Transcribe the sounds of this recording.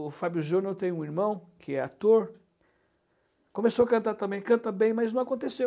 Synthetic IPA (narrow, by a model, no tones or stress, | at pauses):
fabjʊʒonoɾt̪ẽj̃ũiɾmɐ̃w̃kɪɛa̰t̪oɾ | kõmesowakɐ̃nt̪aɾt̪ɐ̃mbẽj̃kɐ̃nt̪ɐbẽj̃mɐjznɐ̃w̃akõnt̪esew